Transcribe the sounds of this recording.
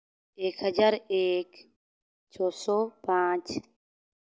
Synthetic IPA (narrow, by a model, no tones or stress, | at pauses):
eːkɦɐd͡ʒaɾeːk | t͡ʃʰɔːsɔpãːt͡ʃ